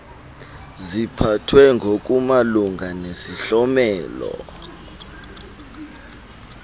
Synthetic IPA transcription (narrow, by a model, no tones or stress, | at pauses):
zipʰatʰwɛŋɡʱok̬ʼumaluŋɡʱanesiɬɔmɛːlɔ̰